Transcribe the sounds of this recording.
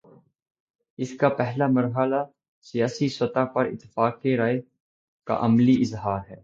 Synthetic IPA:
ɪskapɛɦlamɐɾɦəla | sijaːsiswət̪apɐɾɪ̰t̪ːɪ̥faːkkeɾaːe | ka̰ʔɐmliʔɪzɦaːɾɦɛː

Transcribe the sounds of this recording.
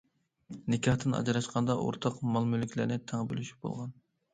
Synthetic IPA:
nɪkʲʰɑht̪ɨnɑ̰d͡ʒɾɑʃqʰɑnd̪ɑʔo̰ɾt̪ʰɑqmɑlˠmylɪkʲʰlɪɾnɪt̪ʰæŋbø̰lyʃy̥p̚b̥o̰lˠʁɑn

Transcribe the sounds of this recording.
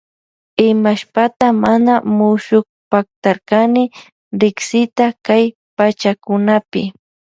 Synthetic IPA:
ɪmaʃpat̪amanamʊʃʊk | pak̚t̪aɾkanɪ | ɾɪksɪt̪akaj | pat͡ʃakʊnapɪ

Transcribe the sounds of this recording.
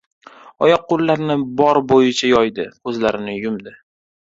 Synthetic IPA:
ɒjɒq̚ːolːaɾnɪbɒɾbojɪt͡ʃʰajɒjd̪ɪɵzlaɾɪnɪjʊmd̪ɪ

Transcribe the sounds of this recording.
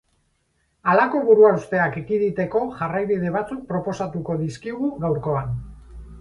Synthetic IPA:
alako̞βuɾuaust̪e̞akekiðit̪e̞ko̞ʝarajβið̞e̞βat͡suk̚pɾo̞po̞sat̪uko̞ðiskiɣuɣawɾko̞an

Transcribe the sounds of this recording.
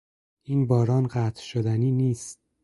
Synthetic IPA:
ʔiːnbɒːɾɒːnɢæːt̪ʰʃod̪æniːniːst̪̚

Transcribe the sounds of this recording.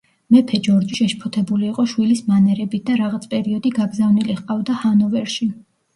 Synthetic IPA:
mɛpʰɛd͡ʒɔɾd͡ʒiʃɛʃpʰɔt̪ʰɛbuliːqʼɔʃwilismanɛɾɛbit̪̚ʰd̪aɾaʁat̪sʰpʼɛɾiɔd̪iɡaɡzavniliχqʼavd̪ahanɔvɛɾʃi

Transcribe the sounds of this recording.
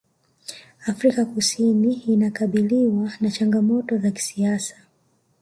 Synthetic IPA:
afɾikakusiniːnakaɓiliwanat͡ʃaŋɡamɔtɔzaki̥siasḁ

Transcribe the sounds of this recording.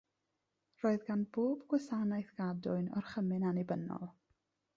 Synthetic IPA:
roːɨðɡanboːbɡwɛsanajθɡ̥adʊɨnɔrχəmɨnanɪbənɔ̰lˠ

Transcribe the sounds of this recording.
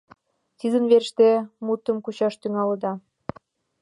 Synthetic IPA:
t̪izə̆nβerʃt̪emut̪ːɤ̆mkuɕɑʃt̪yŋɑlɤ̆d̪ɑ

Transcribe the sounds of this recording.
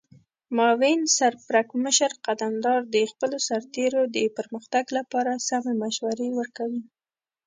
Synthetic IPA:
mɑwensaɾpɾakməʃəɾqad̪amd̪ɑɾd̪əxpəlosaɾt̪eɾod̪əpəɾməxt̪aɡlapɑɾasamemaʃwaɾewəɾkawi

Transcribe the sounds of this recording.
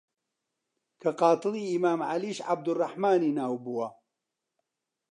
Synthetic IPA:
kʰɐqɑːt̪ɨliːimaːmʕa̰liːʃʕab̚d̪ʊrˤːɑħmaːniːnaːwbuwɐ

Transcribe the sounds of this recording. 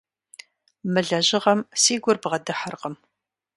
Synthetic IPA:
mɨɮɐʑɪʁɐmsiːɡʷʊrbʁɐdɨħərqəm

